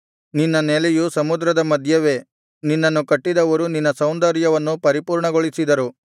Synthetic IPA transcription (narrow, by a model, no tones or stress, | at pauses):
ninːɐnelɛjusɐmud̪ɾɐd̪ɐmɐd̪ʱjɐʋe̞ː | ninːɐnːukɐʈːid̪ɐʋɐɾuninːɐsɐwnd̪ɐɾjɐʋɐnːupɐɾipuːɾɳɐɡoɭisid̪ɐɾu